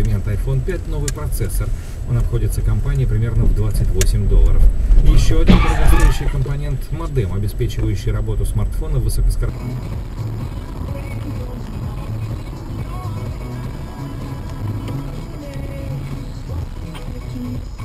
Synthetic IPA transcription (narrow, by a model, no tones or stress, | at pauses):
ɪmʲe̞nt̪ɐjfo̞npʲætʲno̞vɨjpɾɐt̪sɛsːər | o̞nɐpxo̞dʲɪt̪səkɐmpanʲɪɪpɾʲɪmʲe̞rnəvd̪vat̪sɨtʲvo̞sʲɪmʲd̪o̞lˠːə̰ɾəfjɪɕːo̞ɐdʲɪnklˠɐk̪ɐt̪ʲiɾʊjʉɕːɪjkəmpɐnʲe̞nt̪mɐd̪ɛmɐbʲɪspʲet͡ɕɪvəjʉɕːɪjɾɐbo̞t̪ʊsmɐrt̪fo̞nəvːɨsokəskɐɾ